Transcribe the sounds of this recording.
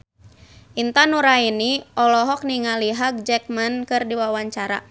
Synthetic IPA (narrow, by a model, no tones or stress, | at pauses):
ʔint̪anuɾainiʔɔlɔɦɔk̚niŋaliɦaɡ̚d͡ʒɛk̚mankɨrdiwawaɲt͡ʃaɾa̰